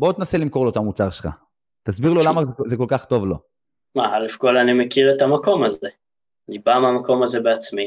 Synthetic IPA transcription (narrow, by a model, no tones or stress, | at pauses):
bot̪enaselimko̞lot̪amut͡saʁʃelχa̰ | t̪asbiʁlolamazekolkaχt̪o̞vlo | maalefkolanimekiʁet̪amako̞maze | libameamako̞mazebeat͡smi